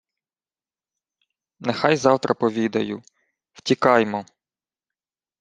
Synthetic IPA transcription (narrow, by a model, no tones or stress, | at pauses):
nexɑjzɑwt̪ɾʔɐpɔʋʲid̪ɐjʊ | w̥tʲikɑjmɔ